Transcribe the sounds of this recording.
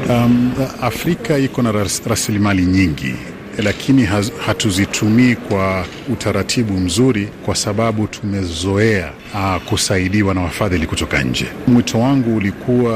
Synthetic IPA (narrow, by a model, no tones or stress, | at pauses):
aafɾikaikɔnaɾasilimaliɲiŋɡḭ | lakʰiniɦahatuzitʰumiːkwa | utʰaɾatʰiɓum̩zuɾikwasaɓaɓutʰumɛzɔɛa̰ | kusaiɗiwanawafaðilikutɔka̰ɲ̩̰d͡ʒɛ̰mwitʰɔwaŋɡuːlikʰuwa